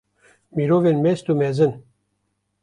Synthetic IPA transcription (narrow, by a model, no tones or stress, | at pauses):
miɾovenmest̪umezɨn